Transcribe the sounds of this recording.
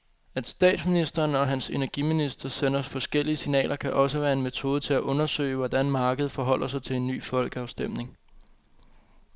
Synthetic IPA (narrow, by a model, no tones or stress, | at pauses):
æd̥sd̥ɛ̰ːd̥sminisd̥ɐːnɒ̽ɦænse̝næɐɡ̥iminisd̥ɐsenɐɒsfɒ̽sɡ̥el̰iəsinɛ̰ːlʔɐkʰæʔɒ̽səʋæːɐe̝nmet͡sʰo̝ːð̞ˠət͡sʰe̝æʔɔ̽nɐsø̰ɪʋɒd̥ænmɑ̈ːɡ̥əð̞̩ˠfɒ̽ɦɒ̽l̰ɐsɑ̈ɪt͡sʰe̝le̝nːy̰ːfɒ̽l̰ɡ̥əɑ̈ʊsd̥em̰ne̝ŋ